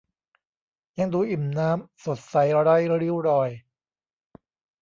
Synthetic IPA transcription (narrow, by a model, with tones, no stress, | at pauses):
ja˧ŋd̪uː˧ʔi˨˩mnaː˦˥mso˨˩t̪̚sa˨˩˦jɾa˦˥˩jɾi˦˥˩wɾɔː˧j